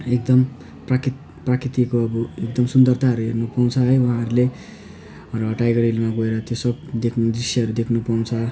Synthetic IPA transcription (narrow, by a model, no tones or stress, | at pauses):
ekd̪ʌm | prak | prakrit̪ikoʌbʌek̚d̪ʌmsund̪ʌrt̪ʰaɦʌɾuɦernupaw̃t͡sʰʌɦʌjwaɦãɦʌɾule | ʌrʌʈajɡʌɾilmaɡoeɾʌt̪josʌb̚d̪ekʰd̪risjʌɦʌɾud̪ekʰnupaw̃t͡sʰʌ